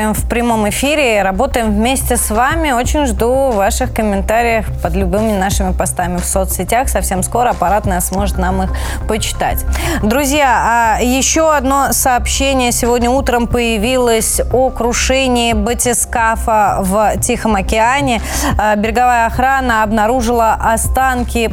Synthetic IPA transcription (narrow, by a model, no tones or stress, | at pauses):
ɪmfpɾʲɪmo̞mɪfʲiɾʲɪɾɐbo̞t̪əjɪmvmʲesʲtʲɪsvamʲɪo̞t͡ɕɪnʲʐd̪uvːaʂɨxkəmʲɪnt̪aɾʲɪjəxpəd̪lʲʊbɨmʲɪnaʂɨmʲɪpɐst̪amʲɪfsot̪sʲɪtʲaxsɐfsʲe̞msko̞ɾəɐpɐɾat̪nəjəsmo̞ʐɨt̪namɨx | pət͡ɕɪ̥t̪a̰tʲd̪ɾʊzʲjaajɪɕːoɐd̪no̞sɐːpɕːenʲɪjəsʲɪvo̞dʲnʲəut̪ɾəmpəjɪvʲilˠəsʲokɾʊʂɛnʲɪːbətʲɪskafəvtʲixəmɐkʲɪanʲɪbʲɪɾʲɪɡɐvajəɐxɾanəɐbnɐɾuʐɨlˠəʔɐst̪ankʲɪ